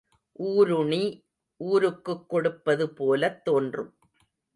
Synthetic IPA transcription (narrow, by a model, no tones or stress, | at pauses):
ʔuːɾʊɳi | ʔuːɾɯkːɯkːɔɽɯpːɐðɯpoːlɐt̪ːoːndrɯm